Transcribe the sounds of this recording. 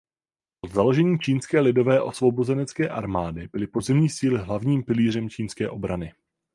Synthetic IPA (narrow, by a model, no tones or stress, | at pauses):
pod̪zalo̞ʒɛɲiːt͡ʃiːnskɛːlɪdo̞vɛːʔo̞svo̞bo̞zɛnɛt͡skɛːʔaɾmaːdɪbɪlɪpozɪmɲiːsiːlɪɦlavɲiːmpɪliːrɛmt͡ʃiːnskɛ̰ːʔo̞bɾanɪ